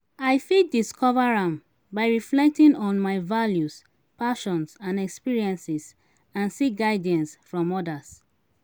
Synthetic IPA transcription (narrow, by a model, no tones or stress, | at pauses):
aɪfiddiskʰɔvaɹãm | baɪɹiflɛk̚tĩnɔ̃nmaɪvaljus | paʃɔ̃nsãnɛkspiɹiɛ̃nsis | ãnsiɡaɪdɛ̃nsfɹɔ̃mɔdas